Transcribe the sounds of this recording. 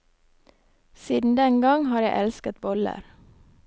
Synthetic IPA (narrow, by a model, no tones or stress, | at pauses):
siːd̪n̩d̪ɛŋɡɑŋhɑːɾjæɪʔɛlskət̪̚bɔlə̰ɾ